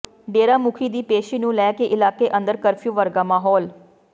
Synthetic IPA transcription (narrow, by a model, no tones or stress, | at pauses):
ɖeːɾaːmʊkʰiːd̪iːpeːʃiːnũːlɛːkeʔɪlaːkeːʔə̃nd̪əɾkəɾpʰjuːʋəɾɡaːmaːɦɔːl